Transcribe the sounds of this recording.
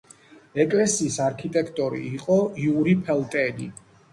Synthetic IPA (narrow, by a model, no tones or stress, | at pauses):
ɛkʼlɛsiːsaɾkʰit̪ʼɛkʰt̪ʼɔɾḭːqʼɔiuɾipʰɛlˠt̪ʼɛlḭ